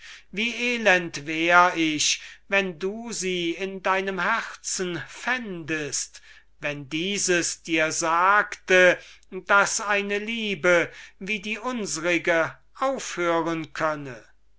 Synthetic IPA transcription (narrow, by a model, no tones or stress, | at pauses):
viːʔeːlɛntvɛːʁɪʃvɛnduːziːɪndaɪnəmhæʁt͡sn̩fɛndəst | vɛndiːzəsd̥iːɐzaːktəd̥asaɪnəliːbəviːdiːʔʊnzəʁɪɡə | ʔaʊfhøːʁənkʰœnə